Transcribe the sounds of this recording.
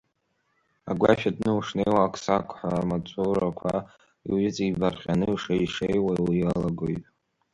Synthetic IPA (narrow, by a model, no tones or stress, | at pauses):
a̰ɡʷa̰ʃᶣadnɨuʂnejwaːkʰʼsakʷʰʼħʷamat͡sʷʼuɾakʷʰa | iɪt͡sʼibarχʲanɨiʂaiʂejwawialaɡojtʼ